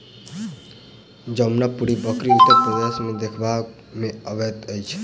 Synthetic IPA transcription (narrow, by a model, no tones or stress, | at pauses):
d͡ʒəmnapuɽibʌkɾiut̪ːəɾpɾəd̪esmed̪ekʰba | meʌbet̪əjt͡ʃʰe̥